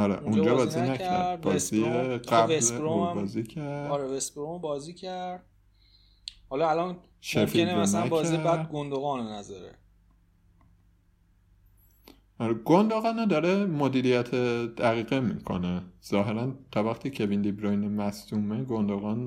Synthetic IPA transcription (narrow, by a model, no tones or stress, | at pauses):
ɒɾḛʔund͡ʒɒːbɒːzzinææɾbɒːziæbelɾommbɒːziːcʰæɾd̪dɾevespɾombɒːzicʰæɾd̪̥̚ | hɒlɒælɒn | ʃefienemæsnæbɒːzæibæd̪̚ɡond̪oɣɒːnnæzɒɾḛ | ɒɾeɡond̪oɣɒːnæd̪ɒːɾemod̪iːɾijæt̪ʰed̪̥æɣiːɣemḭkʰo̰nez̥ɒːɦe̞ɾænt̪ʰɒvæxt̪ʰiːcʰe̞vind̪ibɾojnemæst̪uːmeɡond̪oɣɒn